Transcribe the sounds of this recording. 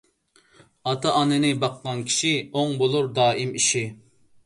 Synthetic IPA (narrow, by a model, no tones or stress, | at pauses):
ɑt̪ʰɑʔɑnɨnɪbɑqːɑnkʲʰi̥ʃioŋbolˠuɾd̪ɑːimiʃi